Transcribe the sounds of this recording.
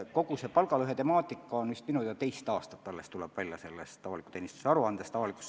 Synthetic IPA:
ko̞ɡ̥use̞pɑlɡ̥ɑlyɦe̞t̪e̞mɑːt̪ːˑikːˑɑonmyst̪minujɑt̪e̞jst̪ɑːst̪ɑ̥t̪ːɑlːest̪ulɛb̥vælʲjɑse̞lːest̪t̪ɑvɑliku̥t̪e̞ːnist̪u̥seɑɾuɑnd̪̥est̪ɑvɑlikˑu̥s

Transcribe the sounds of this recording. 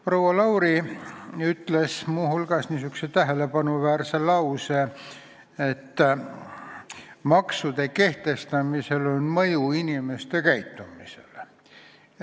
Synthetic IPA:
prowːɑlɑwɾi | yt̪ːle̞smuhulɡ̥ɑsniːsykset̪æɦe̞le̞pɑnuvæːrselɑwse | et̪ː | mɑksud̪̥e̞ke̞ht̪e̞st̪ɑmise̞lonmɤjuinʲimest̪ekæjt̪ːumisḛl

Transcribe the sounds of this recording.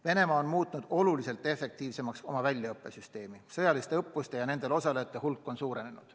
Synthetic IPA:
ve̞ne̞mɑːonmuːt̪nud̪̥o̞lulise̞lt̪ːˑe̞fːe̞k̚t̪iːvse̞mɑkso̞mɑvælʲjɑɤpˑːe̞syst̪e̞ːmisɤ̞jɑlist̪e̞ɤpːust̪e̞jɑne̞nd̪e̞lo̞sɑle̞jɑt̪ːˑe̞ɦulkːˑo̞nsuːɾe̞ne̞nud̥

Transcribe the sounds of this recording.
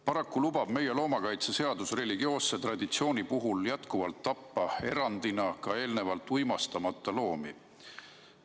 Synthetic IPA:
pɑɾɑkːulub̥ɑb̥me̞je̞lo̞ːmɑkɑjt̪sese̞ɑd̪usre̞lʲiɡio̞ːsːet̪rɑd̪̥it̪sio̞ːnʲipuɦuljæt̪kuvɑlt̪ːɑpːɑe̞ɾɑnd̪̥inɑkɑe̞ːlne̞vɑlt̪ːˑujmɑst̪ɑmɑt̪ːˑɑlo̞ːmi

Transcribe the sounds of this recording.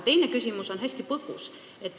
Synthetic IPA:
t̪e̞jnekysʲimuso̞nɦesʲt̪ipɤkus | et̪ː

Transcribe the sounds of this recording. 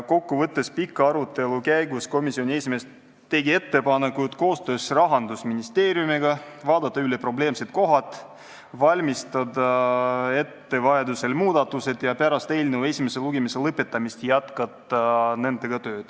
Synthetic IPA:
ko̞kːuvɤt̪ːe̞spikːɑɑɾut̪ːˑe̞lukæjɡ̥usko̞misio̞nʲiesime̞s | t̪ːe̞ɡie̞t̪ːe̞pɑne̞kut̪ko̞ːst̪ø̞ːsrɑɦɑnd̪usminist̪e̞ːɾjumiɡ̥ɑvɑːd̪̥ɑt̪ːˑɑylepro̞ble̞ːmse̞t̪̚ko̞ɦɑt̪ːˑ | vɑlʲmist̪ɑd̪ɑe̞t̪ːe̞vɑed̪use̞lmuːd̪̥ɑt̪ːˑuse̞t̪jɑpæɾɑst̪e̞ːlʲnewe̞sʲime̞se̞luɡ̥emeselɤpːe̞t̪ːˑɑmist̪jæt̪kɑt̪ːˑɑne̞nd̪e̞ɡ̥ɑt̪ø̞ːd̪̥

